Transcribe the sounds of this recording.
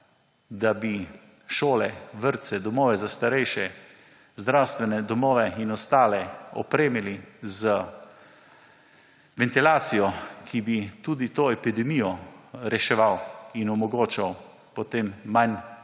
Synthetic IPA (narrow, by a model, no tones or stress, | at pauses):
d̪abi | ʃoːlɛʋəɾt̪sɛd̪ɔmɔːʋɛzast̪aɾɛjʃɛ | zd̪ɾawst̪ʋɛnɛd̪ɔmɔːʋɛinɔst̪aːlɛɔ̰pɾeːmilizə | ʋɛnt̪ilaːt̪sijɔkʰibit̪uːd̪it̪oːɛpid̪ɛmijɔɾɛʃɛʋawinɔmɔɡoːt͡ʃaw | pɔt̪eːmːan